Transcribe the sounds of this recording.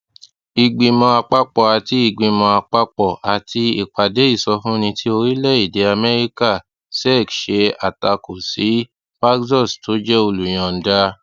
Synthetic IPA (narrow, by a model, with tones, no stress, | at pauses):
i˧ɡ͡bĩ˧mɔ̃˧a˧k͡pa˦k͡pɔ˨a˨ti˧i˧˨ɡ͡bĩ˧mɔ̃˧a˧k͡pa˧k͡pɔ˨a˨tʰi˧i˨k͡pa˨de˨˦i˦˨sɔ˧fũ˦nĩ˧tʰi˦o˧ɾi˦lɛ˦˨i˦˨de˨˦a˧mɛ˦ɾi˦ka˦˨ | sɛ˦˨kʃe˧a˨ta˧ko˨si˨˦ | ba˦kzɔ˦˨sto˨˦d͡ʒɛ˦o˧lu˨j̃ã˧˨n̩˦da˦